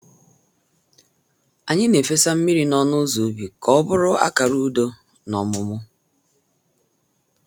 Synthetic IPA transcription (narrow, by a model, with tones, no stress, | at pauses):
a˨ɲɪ˦ne˨fe˦sa˦m̩˦mi˦ɾi˨nɔ˦nʊ˦zu˨˦bi˨kɔ˦bʊ˦ɾʊ˦a̰˦ka˨ɾu˦do˦ | nɔ˨mʊ˦mʊ˦